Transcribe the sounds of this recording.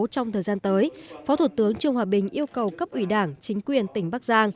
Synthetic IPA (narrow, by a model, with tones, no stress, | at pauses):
t͡ɕɔ˧wŋ͡mt̪ʰəː˨˩jzaː˧nt̪əː˨˦jfɔ˨˦t̪ʰu˧˩t̪ɨ˨˦əŋt͡ɕɨ˧əŋhwaː˨˩ɓï˨˩ŋ̟ʔi˧əwkə˨˩wkə˦˥p̚ʔwi˧˩ɗaː˧˩ŋt͡ɕï˨˦ŋ̟kwi˨˩ənt̪ï˧˩ŋ̟ɓaː˦˥k̚zaː˧ŋ